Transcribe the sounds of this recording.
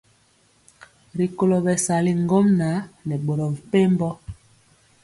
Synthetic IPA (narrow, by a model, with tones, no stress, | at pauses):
ɾi˨ko˨lo˨bɛ˨sa˨li˦ŋɡo˦mna˨˦nɛ˨ɓo˨ɾɔ˨vi˨pe˦m˦bɔ˦